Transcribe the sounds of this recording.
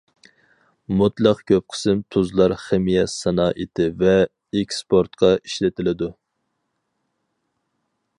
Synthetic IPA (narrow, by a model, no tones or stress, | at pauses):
mut̪lˠɑqkʲʰøp̚qʰə̥sɨmt̪ʰuzlˠɑɾχemijɛsɑnɑːʔit̪ʰɪvɛ | ekʲspʰoɾt̪qʰɑiʃlɪt̪ʰɪlɪd̪u